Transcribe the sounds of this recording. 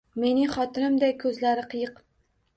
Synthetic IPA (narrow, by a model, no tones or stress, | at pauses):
me̞nɪŋχɒt̪ʰɪnɪmd̪akʰɵzlaɾɪqʰɨjɨq